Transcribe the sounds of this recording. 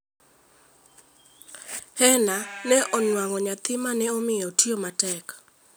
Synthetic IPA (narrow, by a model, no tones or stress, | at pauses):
hɛnanɛʔɔnwaŋɔɲat̪ɪmanɛomɪɔtiomatɛk